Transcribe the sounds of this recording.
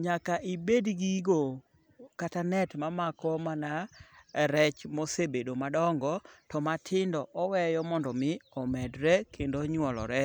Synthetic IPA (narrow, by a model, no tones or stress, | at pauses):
ɲakaʔibedɡiɡo | katanɛtmamakɔmanaɾɛt͡ʃmɔsebedomadɔŋɡɔtɔmatʰɪndɔʔɔwɛjɔmɔndɔmɪɔmɛdɾɛkʰendoɲwɔlɔ̰ɾɛ